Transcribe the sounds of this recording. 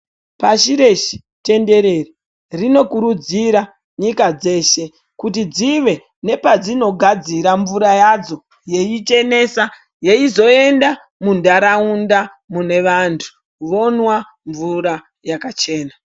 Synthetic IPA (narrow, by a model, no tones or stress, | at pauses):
paʃiɾe̞ʃi̥ | te̞nde̞ɾeri | rino̞kuɾud͡ziɾa | ɲikad͡ze̞ːʃe̞ | kutid͡ziʋe̞ | ne̞pad͡zino̞ɡʱad͡ziɾaɱvuɾajad͡zo̞ | je̞it͡ʃe̞ne̞sa | je̞izo̞e̞nda | mundaɾaunda | mune̞ʋantʰu̥ | ʋo̞nwa | ɱvuɾa | jakat͡ʃe̞ːna